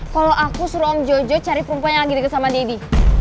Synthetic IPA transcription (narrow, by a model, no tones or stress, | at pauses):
kaloʔakusuɾɔɔmd͡ʒɔd͡ʒɔt͡ʃaɾipəɾumpuaɲaŋlaɡidəkəsamadedi